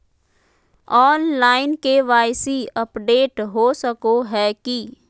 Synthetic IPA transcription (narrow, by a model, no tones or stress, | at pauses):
ɔːnlaːɪnkeʋaːɪsiəpɖeːʈɦosəkoɦɛki